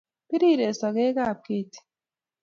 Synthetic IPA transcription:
pi˦ɾi˦˨ɾe˨sɔ˨ɣe˦ka˦˨p̚ke˦ti̥˨

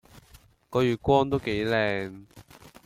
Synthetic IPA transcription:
kɔː˨˧jyː˨t̚kʷɔː˥ŋt̪o˥wke˨˥jlɛː˨˧ŋ

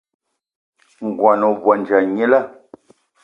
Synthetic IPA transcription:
ŋ̩˨ɡwa˨nɔ˨vwa˨n˨d͡ʒa˨ɲe˦la˦˨

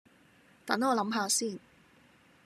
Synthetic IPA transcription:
t̪ɐ˨˥nɔː˨˧lɐ˨˥mɦaː˧siː˥˩n

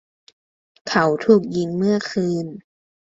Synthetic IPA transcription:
kʰa˩˦wt̪ʰuː˨˩k̚ji˧ŋmɯ˥˩ɐkʰɯː˧n

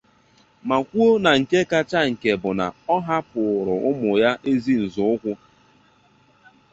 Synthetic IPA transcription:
ma˨kʷu˦o˦na˨ŋ̩˨ke˦ka˦t͡ʃa˦ŋ̩˨ke˨bʊ˨na̰˨ɔ˦ɦa˦pʊ˨ɾʊ˨ʔʊ˦mʊ˨ja˦ʔe˦zi˦n̩˨zʊ˦ʊ˦kʷʊ˦

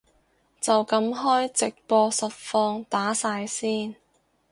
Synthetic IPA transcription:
t͡sɐ˨wkɐ˨˥mɦɔː˥jt͡sɪ˨k̚pɔː˧sɐ˨t̚fɔː˧ŋt̪aː˨˥saː˧jsiː˥n

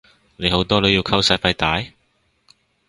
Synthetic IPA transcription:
ne˨˧jɦo˨˥wt̪ɔː˥lɵ˨˧jiː˧wkʰɐ˥wsɐː˧˥fɐ˧jt̪aː˨˥j

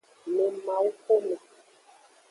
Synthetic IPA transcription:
me˨ma˨˦ko˦me˨

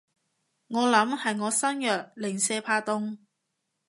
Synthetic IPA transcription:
ŋɔː˨˧lɐ˨˥mhɐ˨jŋɔː˨˧sɐ˥njœː˨˩k̚lɪ˨˩ŋsɛː˧pʰaː˧t̪ʊ˥ŋ

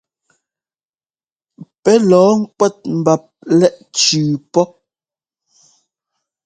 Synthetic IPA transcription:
pɛ˨˦lɔː˨˦ŋ̩˦kwɛ˦˨t̚m̩˨ba˨p̚lɛ˦ʔt͡ʃʉː˨pɔ˦

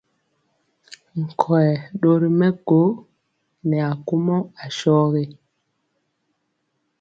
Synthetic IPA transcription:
ŋ̩˨kʰɔ˨ɛ˨ɗo˦ɾi˦mɛ˦ɡo˨˦ | nɛ˨a˨ku˦mɔ˦a˨ʃɔ˦ɣe˦

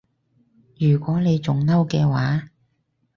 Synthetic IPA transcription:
jyː˨˩kʷɔː˨˥ne˨˧jt͡sʊ˨ŋnɐ˥wkɛː˧waː˨˥

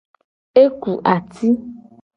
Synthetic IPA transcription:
e˦ku˨ʔa˨t̪ʰi˦

